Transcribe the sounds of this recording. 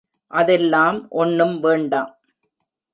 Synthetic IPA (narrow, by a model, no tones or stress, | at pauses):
ʔɐðɛlːaːmʔɔnːɯmʋeːɳɖaːm